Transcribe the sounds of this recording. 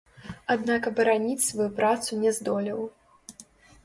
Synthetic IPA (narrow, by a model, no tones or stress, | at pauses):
ad̪nakɐbɐɾanʲit͡sʲsvajupɾat̪sunʲɛzd̪ɔlʲiw